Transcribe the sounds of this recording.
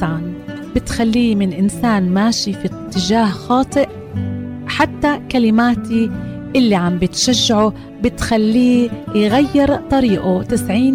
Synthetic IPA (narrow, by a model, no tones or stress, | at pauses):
ʕan | b̥ɪt̪xalːiːmɪnʔɪnsaːnmaːʃifit̪ːɪʒaːhxɑːt̪ˤɨʔ | ħat̪ːakalɪmaːt̪i | ʔɪlːiʕambɪt̪ʃaʒːaʕu | bɪt̪xalːiːjɣajːɪɾt̪ˤɑɾiːʔut̪ɪsʕiːn